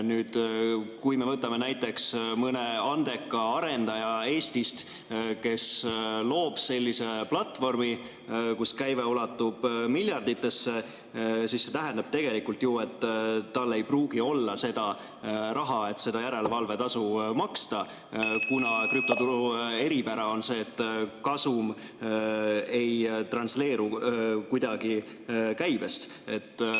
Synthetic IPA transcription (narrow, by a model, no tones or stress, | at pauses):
nyːd̪̥kujme̞vɤt̪ːˑɑme̞næjt̪ːˑe̞ksmɤne̞ɑnd̪̥e̞kːˑɑɑɾe̞nd̪̥ɑjɑe̞ːst̪ist̪ | ke̞slo̞ːb̥se̞lʲːise̞plɑt̪ːˑvo̞rmi | kuskæjveulɑt̪ːˑub̥milʲjɑrd̪it̪ːˑe̞sːe̞ | sisːe̞t̪æɦɛnd̪ɑb̥t̪e̞ɡ̥e̞likːult̪jue̞t̪ːɑlːe̞jpruːɡ̥io̞lːɑse̞d̪̥ɑ | ɾʔɑɦɑe̞t̪ːˑse̞d̪ɑjæɾe̞lvɑlve̞t̪ɑsumɑkst̪ɑ | kunɑkryp̚t̪o̞t̪uɾue̞ɾipæɾɑo̞nse̞ːt̪ːˑkɑsum | e̞jt̪rɑnsle̞ːɾukujd̪̥ɑɡ̥i | kæjb̥e̞st̪ | e̞t̪ːˑ